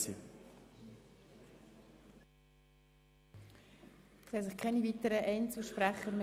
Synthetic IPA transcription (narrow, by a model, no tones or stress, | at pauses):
i | sɛsɪχkʰɛnivit̪əɾəʔɛɪnt͡suʃpɾæχəɾmɪ